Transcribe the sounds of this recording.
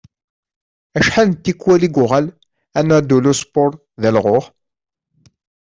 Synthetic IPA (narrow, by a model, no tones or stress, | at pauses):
æʃħalnt̪ːikːwæliɡʊʁæl | ænːæd̪ulospʊɾˤ | ðælʁoʁ